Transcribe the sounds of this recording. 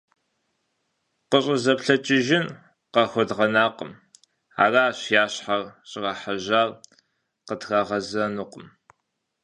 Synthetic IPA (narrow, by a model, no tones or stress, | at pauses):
qəɕʼɪzɐpɬɐt͡ʃʼɪʒɪn | qɐxʷɔdʁɐnaːqə̰m | a̰ːraːɕjaːɕħarɕʼɪʁɐħaʑaːr | qətɣaːʁɐzɐnuqəm